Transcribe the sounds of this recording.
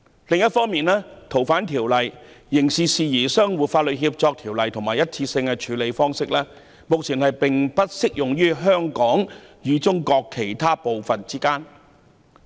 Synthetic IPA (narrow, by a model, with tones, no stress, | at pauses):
lɪ˨ŋjɐ˥t̚fɔː˥ŋmiː˨nlɛː˥t̪ʰo˨˩wfaː˨˥nt̪ʰiː˨˩wlɐ˨jjɪ˨˩ŋsiː˨˩siː˨˧jiː˨˩sœː˥ŋwuː˨tfaː˧t̚lɵ˨t̚ɦiː˧p̚t͡sɔː˧k̚t̪ʰiː˨˩wlɐ˨jt̪ʰʊ˨˩maː˨˩jɐ˥t̚t͡sʰiː˧sɪ˧ŋkɛ˧t͡ʃʰyː˨˧˥le˨˧jfɔː˥ŋsɪ˥k̚lɛː˥ | mo˨k̚t͡sʰiː˨˩nhɐ˨jpɪ˨ŋpɐ˥t̚sɪ˥k̚jʊ˨ŋjyː˥ɦœː˥ŋkɔː˨˥ŋjyː˨˧t͡sʊ˥ŋkɔː˧kʰːe˨˩jt̪ʰaː˥po˨wfɐ˨nt͡siː˥kaː˥n